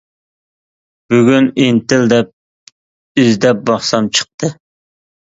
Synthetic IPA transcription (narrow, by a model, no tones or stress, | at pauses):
b̥yɡʲynint̪ɪld̪ɛp̚ | yzd̪ɛp̚bɑχsɑmt͡ʃʰə̥q̚t̪ʰɨ